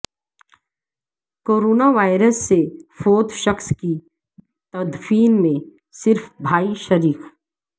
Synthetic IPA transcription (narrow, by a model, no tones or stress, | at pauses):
koːɾoːnaʋaːɪɾəsːefoːt̪ʃəxski | t̪ɐd̪fiːnmẽ | sɪɾfbʱaːiʃəɾiːk